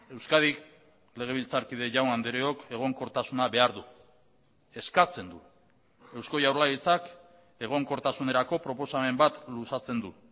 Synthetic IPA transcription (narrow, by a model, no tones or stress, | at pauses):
e̞wskað̞ik | le̞ɣ̞e̞β̞ilt͡saɾkiðe̞ʝawnand̪eɾeo̞ke̞ɣ̞o̞ŋko̞ɾt̪asunaβe̞aɾðu | e̞skat͡se̞nd̪u | e̞wsko̞jawɾlait͡sak | e̞ɣ̞o̞ŋko̞ɾt̪asune̞ɾako̞pɾo̞po̞same̞mbat̪lusat͡se̞nd̪u